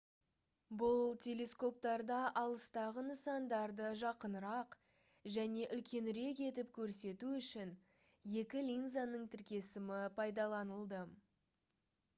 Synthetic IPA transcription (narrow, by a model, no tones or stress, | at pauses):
bʊlˠt̪ʲʰe̞lʲe̞sko̞p̚t̪ɑɾd̪ɑʔɑlˠəst̪ɑʁənəsɑnd̪ɑɾd̪əʒɑqənɾɑq | ʒæne̞ʔʏlkʲe̞nɾe̞ke̞t̪ɪp̚kʲʰɵɾse̞t̪uʏʃɪn | je̞kʲɪlʲinzanəɴt̪ʰɪɾkʲe̞sɪmɪpʰɑjd̪ɑlˠɑnəlˠd̪ə